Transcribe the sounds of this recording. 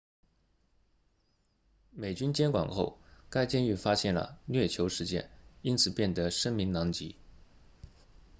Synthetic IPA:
me˨˩ɪt͡ɕy˥nt͡ɕjɛ˥nkwɑ̰˨˩ŋxo˥˩ʊka˥ɪt͡ɕjɛ˥˧ny˥˩fa˥ɕjɛ˥˩nlə̰˩nɥɛ˥˩t͡ɕʰjo˧˥ʊʂɻ̩˧˥t͡ɕjɛ̰˥˩ni˥nt͡sʰɹ̩˨˩pjɛ˥˩nd̪ə˧˦ʂə˥ŋmi˧˥ŋnɑ˧˥ŋt͡ɕi˧˥

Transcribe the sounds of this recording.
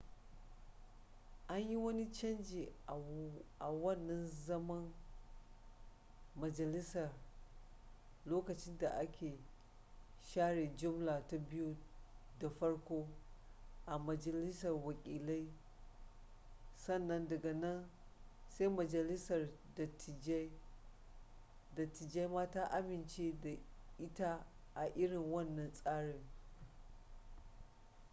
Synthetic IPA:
ʔa˦ɲji˦wɐ˦ni˦t͡ʃɐ˦nd͡ʒi˨ | ʔa˨wɐ˦˨nːɐ˦nzɐ˦mɐ˦n | mɐ˨d͡ʒɐ˨lɪ˦sɐ˨r | loː˦kɐ˨t͡ʃɪ˦nda˨ʔa˦kʲeː˨ | ʃaː˦ɽe˨d͡ʒʊ˦mla˨ta˦bɪ˦ju˦da˨ɸɐ˦ɽkʷoː˦ | ʔa˨mɐ˨d͡ʒɐ˨lɪ˦sɐ˨rwɐ˨kʲʼiː˨la˦j | sɐ˦˨nːɐ˦ndɐ˨ɡa˨nɐ˦n | sa˦jmɐ˨d͡ʒɐ˨lɪ˦sɐ˨r | dɐ˨tɪ˨˦ | dɐ˨tːɪ˨d͡ʒe˦jmaː˦ta˦ʔa˦mɪ˨nt͡ʃe˦da˨ʔɪ˦ta˦ʔa˨ʔɪ˦ɽɪ˨ŋwɐ˦˨nːɐ˨nsʼaː˦ɽe˨ŋ

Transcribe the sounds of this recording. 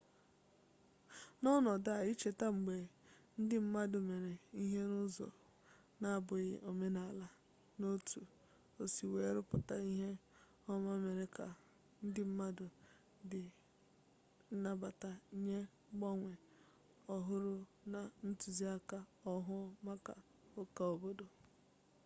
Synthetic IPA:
nɔ˦nɔ˨da˦a˨i˦t͡ʃe˨ta˦ŋ͡m̩˨ɡ͡be˨n̩˦dɪ˦m̩˦ma˦dʊ˨me˨ɾe˨i˦ɦe˦nʊ˦zɔ̰˨ | na˨bʊ˨ɣɪ˨ʔo˨me˦na˨la˦ | no˦tʰu˨ | o˨si˨we˨˦ɾʊ˦pʊ˨ta˨i˦ɦe˦ | ɔ˦ma˦me˨ɾe˨ka̰˨ | n̩˦dɪ˦m̩˦ma˦dʊ˨ | dɪ˨ | n̩˦na˦ba˨ta˨i˦ɲe˦ | ɡ͡bɔ˦ŋʷe˨ | ɔ˨ɦʊ˦ɾʊ˦ | na˨n̩˦tu˨zi˦a˦ka˨ɔ˦ɦʊ˦ma˦ka̰˨ | o˦ka˨o˨bo˦do˨

